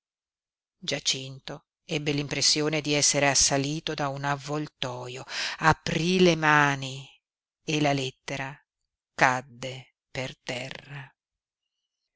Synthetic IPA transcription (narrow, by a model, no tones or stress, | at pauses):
d͡ʒat͡ʃint̪o | ɛbːelimpɾesːjoːned̪iɛsːeɾeasːaliːt̪od̪aunavːolt̪ɔːjoapɾilemaːni | elalet̪ːeɾa | kad̪ːe | pert̪ɛrːa